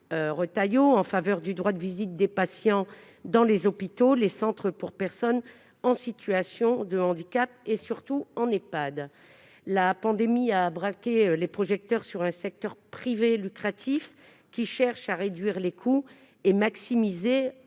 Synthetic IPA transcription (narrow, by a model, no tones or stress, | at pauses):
øʁət̪ajoɑ̃favœʁd̪yd̪ʁwad̪əvizit̪̚d̪epasjɑ̃ | d̪ɑ̃lezɔpit̪olesɑ̃t̪χəpuʁpɛʁsɔn | ɑ̃sit̪yasjɔ̃d̪əɑ̃d̪ikʲap̚esyʁt̪uɑ̃nepad̪ | lapɑ̃d̪emiaːbʁakʲelepχɔʒɛk̚t̪œʁsyʁɛ̃sɛk̚t̪œʁpχivelykχat̪ʰif | kʲiʃɛʁʃaʁed̪ɥiʁlekʰu | emaksimize